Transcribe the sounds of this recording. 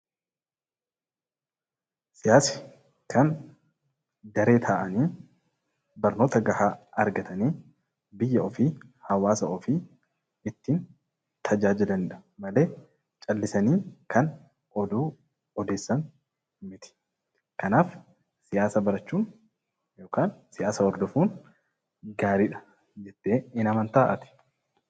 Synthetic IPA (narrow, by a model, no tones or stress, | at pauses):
sɪjaːsɪ̥ | kʰɐn | d̪ɐɾe̞ːt̪ʰaːʔɐniː | bɐɾno̞ːt̪ɐɡɐhaːɐɾɡɐt̪ɐniː | bɪjːɐʔɔfiːhɐwaːsɐʔɔfiː | ɪt̪ːiːn | t̪ʰɐd͡ʒaːd͡ʒɪlɐnᶑɐ̥mɐleː | t͡ʃʼɐlːɪsɐniːkʰɐn | ɔd̪uː | ɔd̪eːsːɐn | mɪt̪ɪ̥ | kɐnaːf | sɪjaːsɐbɐɾɐt͡ʃːuːn | jo̞ːkaːnsɪjaːsɐɔɾd̪ɔfuːn | ɡaːɾiːᶑɐ̥ | d͡ʒɛt̪ːeːɪnɐmɐnt̪aːʔɐ̰t̪ɪ̥